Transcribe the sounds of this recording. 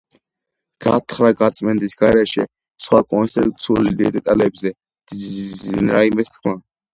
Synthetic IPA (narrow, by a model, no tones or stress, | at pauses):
ɡ̥a̰t̪ʰχɾaɡat̪sʼmɛnd̪isɡaɾɛʃɛ̰ | sχwakʼɔnst̪t̪ʰʼit̪ʼut̪sʰiulid̪ɛd̪ɛt̪ʼalɛbzɛ̥ | inɾaimɛst̪kʰma